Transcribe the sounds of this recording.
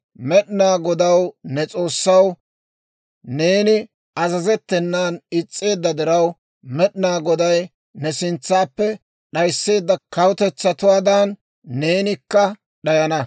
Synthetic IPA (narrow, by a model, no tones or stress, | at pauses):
mɛɗnaːɡɔd̪ɐwnɛt͡sʼo̞ːsːɐw | ne̞ːnɪ | ɐzɐzɛt̪ːɛnːaːnɪt͡sʼːe̞ːd̪ːɐd̪ɪɾɐw | mɛɗɪnaːɡɔd̪ɐj | nɛsɪnt͡sːaːpːɛ | ɗɐjsːe̞ːd̪ːɐkɐwʊt̪ɛt͡sːɐt̪ʊwaːd̪ɐnː | e̞ːnɪkːɐ | ɗɐjɐnɐ